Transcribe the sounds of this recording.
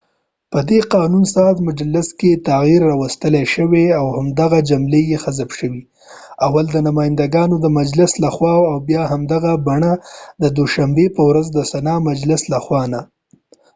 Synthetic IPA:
pəd̪eqɑnunsɑzmʊd͡ʒalɪsket̪aɣiɾːɑwəst̪əleʃəweawhamd̪aɣad͡ʒamlejexazabʃəwi | awald̪ənʊmɑjɪnd̪aɡɑnod̪əmad͡ʒlɪslaxwɑwawbjɑɦamd̪aɣabaɳad̪əd̪oʃambepəwɾazd̪əsanɑmad͡ʒlɪslaxwɑna

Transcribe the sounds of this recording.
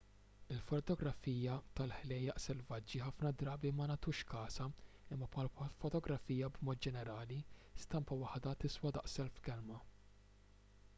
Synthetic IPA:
ɪlfɔt̪ɔɡɾɐfiːjɐt̪ɐlħlɛjɐʔsɛlvɐd͡ʒːiħɐfnɐd̪ɾɐːbimɐnɐt̪uːʃkɐːsɐ | ɪmːɐpʰɐːlfɔt̪ɔɡɾɐfiːjɐbmɔːt̪̚d͡ʒɛnɛɾɐːlist̪ɐmpɐwɐħd̪ɐt̪ɪswɐd̪ɐ̰ʔsɛlfkɛlmɐ

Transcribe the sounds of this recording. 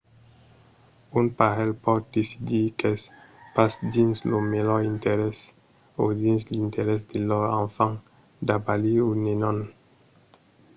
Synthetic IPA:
unpaʁɛlpɔd̪̚d̪esid̪ikɛs | pasd̪inslomelɔĩnt̪eɾɛs | od̪ĩnslĩnt̪eɾɛs̬d̪elɔʁãfãŋ | d̪abaliunenɔ̃n

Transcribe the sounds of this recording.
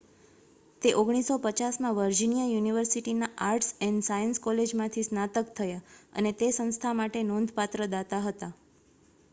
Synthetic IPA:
t̪eʔoɡɽ̃isopət͡ʃasmãʋəɾd͡ʒinijajuniʋəɾsiʈinaʔaɾʈsɛnɖsajənskɔled͡ʒmãt̪ʰisnat̪əkt̪ʰəjaə̰net̪esə̃ñst̪ʰamaʈenõnd̪ʱpat̪ɾəd̪at̪aɦət̪a

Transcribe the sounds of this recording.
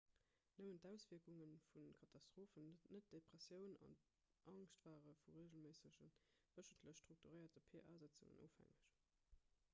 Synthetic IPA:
nəməntæʊsviɐkuŋənfunkʰɑtʰɑstʁ̥oːfənnət̚d̥epʁ̥ɛsjəʊnɑ̰n | ʔɑŋʃtv̥aːʁəfuʁeːʑəlmeːsəɕənv̥əʃəntʰləɕʃtʁ̥uk̚tuʁəɪɐtəpʰeːɐʔaːzət͡sṵŋə̰nʔo̰ːfhæ̰ŋəɕ

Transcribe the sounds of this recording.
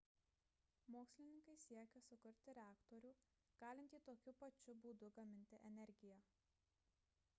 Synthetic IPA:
moːksʲlʲɪnʲɪŋkɐɪsʲiɛkʲɛsʊkʊɾʲt̪ʲɪɾʲɛæːkt̪oɾʲuː | ɡ̥ɑːlʲɪnt̪ʲiːt̪oːkʲʊpɐt͡ʃʲʊbuːd̪ʊɡɐmʲɪnʲt̪ʲɪʔɛnʲɛɾʲɡʲɪjɛ

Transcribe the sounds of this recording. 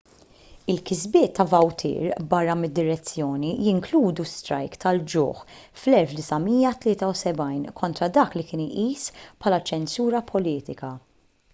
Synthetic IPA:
ɪlkɪzbɪːt̪ʰːɐvɐwt̪ʰɪ̰ːɾbɐrːɐmɪd̪ːɪɾɛt͡sːjɔːnijɪŋkluːd̪ust̪ɾɐ̰jkt̪ɐld͡ʒʊ̰ːħ | flɛlfd̪ɪsɐmiːjɐt̪lɪːt̪ɐwsɛbɐjnkʰɔnt̪ɾɐd̪ɐːklikɪːniʔiːspʰħɐːlɐt͡ʃɛnsuːɾɐpʰɔliːt̪ɪkɐ

